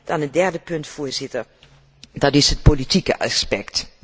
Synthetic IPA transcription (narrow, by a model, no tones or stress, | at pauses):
d̥ɔnətdɛrdəpøntfuːzɪtər | dɔtɪshət̚politikə̰ʔaspɛkt